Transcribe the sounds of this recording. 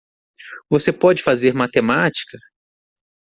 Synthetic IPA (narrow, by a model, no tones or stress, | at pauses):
vosepɔd͡ʒɪfazeɾmat̪emat͡ʃi̥kɐ